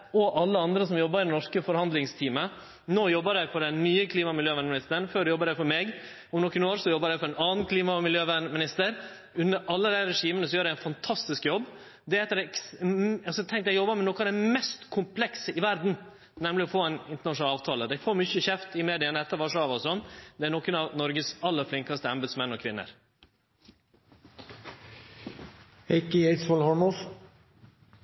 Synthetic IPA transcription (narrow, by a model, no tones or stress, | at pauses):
ɔʔɑlːəɑnd̪ɾəsɔmjɔbːəɾɪd̪ɛnɔʂkəfɔɾhɑnd̪lɪŋst̪ʰiːmə | noːjɔbːəɾæɪfɔɾɖɛnnyːəkʰliːmɑmɪljøːʋæːnmɪnɪst̪əɾəɳføːɖɛjɔbːəɾæɪfɔɾmeːɡ | ɔmnɔkːənoːɾsɔjɔbːəɾjæɪfɔɾɛnɑːn̩kʰliːmɑmɪljøːʋænmɪnɪst̪əɾ | ʉnːəɾʔɑlːəd̪æɪɾɛʂiːmənəsɔjøːɾæɪɛnfɑnt̪ʰɑst̪ɪskjɔbː | d̪ɛɛt̪ːəɾɛ | ɑsɔt̪ʰɛŋkt̪jæɪjɔbːəmɛnɔkːəd̪æmɛst̪kʰʊmpʰlɛksəɪʋæɾd̪n̩ | nɛmlɪɔfoːɛnɪnt̪ənɑʃʂʊnɑlɑːʋt̪ʰɑːləd̪æɪfoːɾmʏçəçɛft̪ɪmeːd̪ɪənəɛt̪ːəɾfɑʂɑʋɔsɔnːd̪ɛæɾnɔkːʉnɑʋnɔɾɡəsɑlːəɾflɪŋkɑst̪əɑmbəd̪smɛnːɔkʰʋɪnːə̰ɾ | hɛɪkɪeɪt̪sɔlhɑmɔs